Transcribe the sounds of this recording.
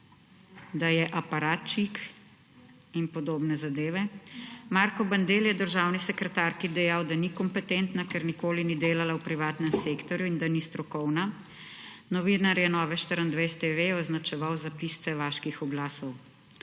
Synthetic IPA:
d̪ajɛʔapaɾaːt̪t͡ʃik | inpɔd̪oːbnɛzad̪eːʋɛmaɾkɔband̪eljɛd̪əɾʒaːwnisɛkɾɛt̪aɾkid̪ɛjawd̪anikɔmpɛt̪ent̪nakɛɾnikoːlinid̪eːlalawpɾiʋaːt̪nɛmseːkt̪ɔɾjuind̪anist̪ɾɔkɔwna | nɔʋinaɾjɛnɔːʋɛʃt̪əɾənd̪ʋest̪eʋeɔznat͡ʃɛʋawzapist̪sɛʋaːʃkixɔɡlaːsɔw

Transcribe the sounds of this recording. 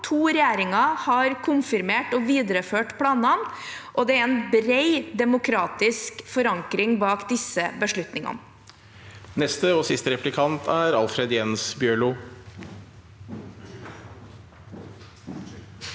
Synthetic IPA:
t̪ʰuːɾɛjæːɾɪŋɑhɑɾkʰʊnfɪɾmeːʈɔʋiːd̪əɾəføːʈpʰlɑːnɑn | ʔɔd̪ɛæɛnbɾeɪd̪ɛmʊkʰɾɑːt̪ɪskfɔɾɑŋkɾɪŋbɑːkd̪ɪsːəbəʂɭʉt̪nɪŋɑ̰nə | nɛst̪əɔsɪst̪əɾɛplɪkʰɑnt̪ʰæɾɑ̰lfɾɛd̪jɛnsbjøːɭʊ

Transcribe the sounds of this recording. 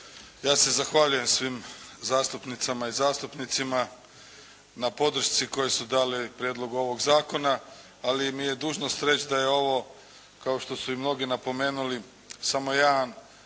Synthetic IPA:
jaːse̞zaxʋaʎuje̞msʋimzaːst̪upnit̪samaizaːst̪upnit̪sima | napo̞d̪r̩ʃt̪siko̞jesud̪aːlipɾjeːd̪lˠo̞ɡuo̞ʋo̞ɡzaːko̞naː | limije̞d̪uːʒnost̪ɾe̞t͡ɕd̪ajeo̞ʋo̞ | kao̞ʃt̪o̞suimno̞ɡinapo̞me̞ːnuli | samo̞jaːn

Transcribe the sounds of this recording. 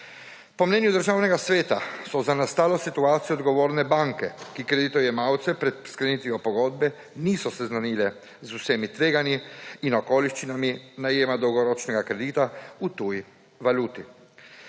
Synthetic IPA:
pɔmnɛːnjud̪əɾʒaːwnɛɡasʋeːt̪asɔzanast̪aːlosit̪uaːt̪sijɔd̪ɡoʋoːɾnɛbaŋkɛkikɾed̪it̪ojɛmawt̪sɛpɾɛt̪̚skɾenit̪ʋiɔpoɡod̪bɛ | niːsɔsɛznanilɛ | zusemit̪ʋeːɡaniːnokoːliʃt͡ʃinaminajeːmad̪owɡɔɾot͡ʃnɛɡakɾed̪iːt̪aut̪uj | ʋalut̪i

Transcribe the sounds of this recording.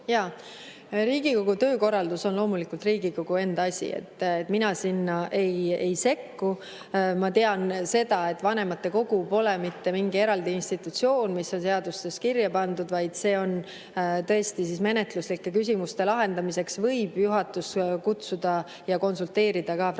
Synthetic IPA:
jɑ | ɾiːɡ̥iko̞ɡ̥ut̪ø̞ːko̞rːɑld̪uso̞nlo̞ːmulikult̪riːɡ̥iko̞ɡ̥ue̞nd̪ɑsʲḭḛt̪ːˑet̪ːminɑsinːɑʔe̞je̞jse̞kːu | mɑt̪e̞ɑnse̞d̪̥ɑe̞t̪ːvɑne̞mɑt̪ːe̞ko̞ɡ̥upo̞lɛmit̪ːe̞miŋɡie̞ɾɑld̪iinst̪it̪ːˑut̪sio̞ːnmisːo̞nse̞ɑd̪ust̪e̞skirjɑpɑnd̪ud̪vɑjd̪̥se̞ːo̞n | t̪ɤ̞est̪is̬isme̞ne̞t̪luslikːe̞kys̬ʲimust̪e̞lɑɦe̞nd̪̥ɑmise̞ksvɤ̞jb̥juɦɑt̪ːˑuskut̪sud̪̥ɑ | jɑko̞nsult̪ːe̞ːɾid̪̥ɑkɑ

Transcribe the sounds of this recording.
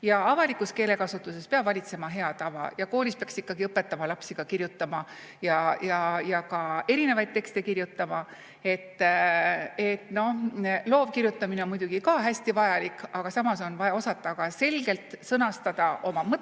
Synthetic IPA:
jɑɑvɑlikːuske̞ːle̞kɑsut̪ːˑuse̞speɑb̥vɑlʲit̪se̞mɑɦe̞ɑt̪ɑvɑ̰jɑko̞ːlʲispeɑksikːɑɡiɤpːˑe̞t̪ːˑɑmɑlɑpsiɡ̥ɑkiɾjut̪ːˑɑmɑ | jɑjɑjɑkɑe̞ɾine̞vɑjd̪̚t̪e̞kst̪e̞kiɾjut̪ˑːɑmɑ | e̞t̪ː | e̞t̪ːˑno̞lo̞ːvkiɾjut̪ːˑɑmineo̞nmujd̪uɡ̥ikɑɦæsʲt̪ivɑjɑlikːˑɑɡ̥ɑsɑmɑso̞nvɑjɑo̞sɑt̪ːˑɑɡ̥ɑse̞lɡ̥e̞lt̪sɤnɑst̪ɑd̪̥ɑʔo̞mɑmɤt̪

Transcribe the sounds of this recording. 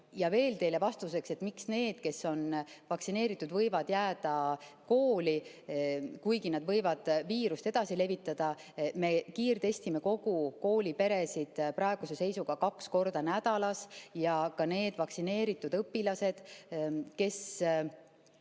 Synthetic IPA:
jɑve̞ːlt̪e̞jlevɑst̪us̬e̞kse̞t̪ːmiksne̞ːd̪̥ke̞so̞nvɑksine̞ːɾit̪ːˑud̪̥vɤjvɑd̪̥jæːd̪̥ɑko̞ːli | kujɡinɑd̪vɤjvɑd̪̥viːɾust̪e̞d̪̥ɑsile̞vit̪ːˑɑd̪̥ɑ | me̞kiːrt̪e̞st̪ime̞ko̞ɡ̥uko̞ːlipe̞ɾe̞sid̪̥pɾɑeɡ̥use̞se̞jsuɡ̥ɑkɑksko̞rd̪̥ɑnæd̪̥ɑlɑsjɑkɑne̞ːd̪̥vɑksine̞ːɾit̪ːˑud̪̥ɤpːilɑse̞d̪̥ | ke̞s

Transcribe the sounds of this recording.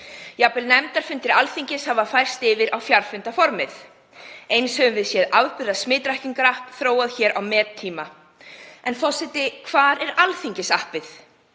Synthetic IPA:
japɪlnɛmt̪aɾ̥fʏnt̪ɪɾalθiɲcɪshavafajɾ̥st̪ɪːvɪɾawfjaɾ̥fʏnt̪afɔɾmɪθ | ejnshɛvʏmvɪðsjɛðawðpʏɾðasmɪːt̪ɾahciŋkaɾahpθɾoːwaðçɛːɾʔawmɛːtt̪ʰːiːma | ɛnfɔsɛt̪ɪkʰv̥aːɾɛɾalθiɲcɪsahpvɪθ

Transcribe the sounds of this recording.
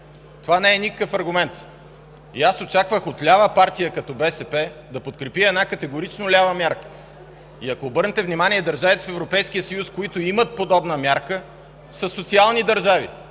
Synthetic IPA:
t̪ovanɛɛnʲikəkəfɐɾɡʊmɛnt̪ | ḭasot͡ʃakvəxot̪lʲavəpaɾt̪ijəkɐt̪ɔbɛsɛpɛd̪ɐpot̪̚kɾɛpiɛd̪nakɐt̪ɛɡoɾit͡ʃnolʲavəmʲjaɾkə̥ | iɐkoːbɤɾnɛt̪ɛvnimaniɛd̪ɐɾʒavit̪ɛfɛvɾopɛjskijəsəjuskoit̪oimət̪̚pod̪ɔbnəmʲjaɾkə | sɐsot̪sialˠnid̪əɾʒavḭ

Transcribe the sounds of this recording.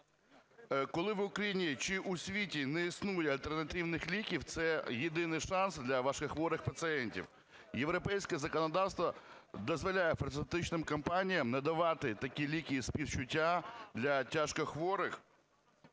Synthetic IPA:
kɔlˠɪʋʊkɾɐjinʲit͡ʃɪʔusʲʋʲitʲinɛisnujɛɐlʲt̪ɛrnɐt̪ɪwnɪxlʲikʲiwt̪sɛjed̪ɪnɪjʃɑnsd̪lʲɐʋɑʃkɐxʋɔɾɪxpɐt̪sɨɛnʲtʲḭw | jeʋɾɔpɛjsʲkɛzɐkɔnɔd̪ɑwst̪ʋɔ | d̪ɔzʋɔlʲajɛfɐrt̪set̪ɪt͡ʃnɪmkɐmpɑnʲijɐmnɐd̪ɐʋɑt̪ɪt̪ɐkʲilʲikʲijisʲpʲiwt͡ʃʊtʲːad̪lʲɐtʲaʃkɔxʋɔɾɪx

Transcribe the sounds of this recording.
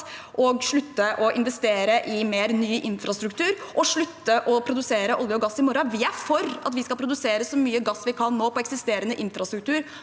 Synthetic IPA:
ʔɔɡʂɭʉt̪ːəʔɔʔɪnʋɛst̪eːɾəʔɪmeːɾnyːʔɪnfɾʔɑst̪ɾʉk̚t̪ʰʉːɾʔɔʂɭʉt̪ːəʔɔpʰɾʊd̪ʉseːɾəʔɔljəɔɡɑsːɪmɔɾɑʋɪæfɔɾɑ̰t̪ʋɪskɑlpʰɾʊd̪ʉseːɾəsɔmyːəɡɑsːʋɪkʰɑnːoːpʰɔɛksɪst̪eːɾənəʔɪnfɾʔɑst̪ɾʉk̚t̪ʰʉːɾ

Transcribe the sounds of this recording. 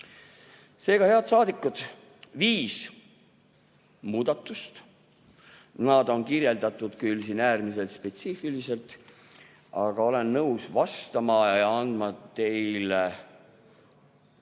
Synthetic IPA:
se̞ːɡ̥ɑhe̞ɑd̪sɑːd̪ikːˑud̪̥ | viːs | muːd̪̥ɑt̪ːˑust̪ | nɑd̪o̞nkirje̞ld̪ɑt̪ˑːud̪̥kyls̬iːnæːrmise̞lt̪spe̞t̪siːfilise̞lt̪ˑ | ɑɡ̥ɑo̞le̞nːɤwsvɑst̪ɑmɑjɑɑɑnd̪mɑt̪e̞jle

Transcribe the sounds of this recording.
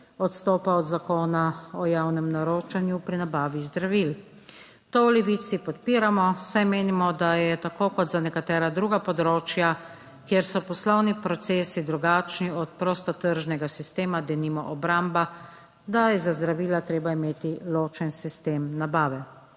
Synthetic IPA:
ɔt̪st̪oːpaɔd̪zakoːnaɔjawnɛmnaɾoːt͡ʃanjupɾinabaːʋizd̪ɾaʋil | t̪oɔlɛʋiːt̪sipɔt̪̚piːɾamɔsajmeːnimɔd̪ajɛt̪akoːkɔd̪zanɛkat̪ɛːɾad̪ɾuːɡapɔd̪ɾoːt͡ʃja | kjeɾsɔpɔslɔwnipɾɔt̪seːsid̪ɾuɡat͡ʃniɔt̪̚pɾɔst̪ɔt̪əɾʒnɛɡasist̪eːmad̪ɛnimɔ̰ʔɔbɾamba | d̪ajɛzazd̪ɾaʋiːlat̪ɾeːbaimeːt̪iloːt͡ʃɛnsist̪eːmnabaːʋɛ

